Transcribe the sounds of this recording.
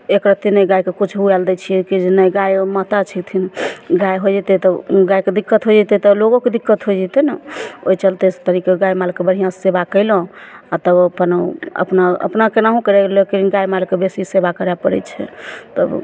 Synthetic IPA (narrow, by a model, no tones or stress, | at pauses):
ekɾət̪inəjɡajkekut͡ʃʰɦuɛld̪ɛt͡ʃʰiekid͡ʒenəjɡajmat̪at͡ʃʰit̪ʰinɡajɦod͡ʒɛt̪ɛt̪əɡajked̪ikːət̪ɦod͡ʒɛt̪ɛt̪ɔloɡoked̪ikːət̪ɦojd͡ʒɛt̪ɛnəo̰jt͡ʃəlt̪ɛst̪əɾikeɡajmalkebəɽ̤ijãsebakəjlɔ̃at̪əbəpənə̰pnaə̰pnakenaɦũkəɾɛlekeɾinɡajmalkebesisebakəɾɛpəɾɛ̰t͡ʃʰɛ̰t̪ə̰b